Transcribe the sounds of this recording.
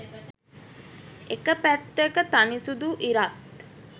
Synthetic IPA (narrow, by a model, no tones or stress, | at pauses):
ekəpæt̪ːekət̪anisud̪uʔiɾat̪